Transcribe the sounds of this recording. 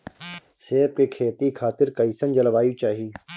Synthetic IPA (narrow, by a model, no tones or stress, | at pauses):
seːb̚kekʰeːt̪ikʰaːt̪ɪɾkɐisənd͡ʒəlʋaːjit͡ʃaːɦiiː